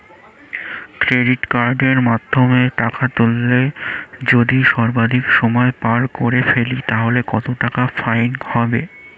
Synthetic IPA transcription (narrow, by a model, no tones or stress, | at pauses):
kɾeɖiʈkaɾɖeɾmad̪ʱːomeʈakat̪ulːed͡ʑod̪iʃɔɾbad̪ʱikʃɔmɔepaɾkoɾefelit̪aɦolekɔt̪oʈakafajnhɔbe